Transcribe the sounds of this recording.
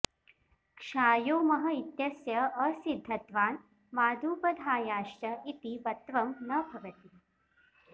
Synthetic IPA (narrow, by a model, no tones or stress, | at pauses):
kʂaːjoːmɐɦɐit̪jɐsjɐɐsid̪ʱːɐt̪ʋaːn | maːd̪ʱuːpɐd̪ʱaːjaːʃʈɐʔit̪iʋɐt̪ʋɐmnɐbʱɐʋɐt̪i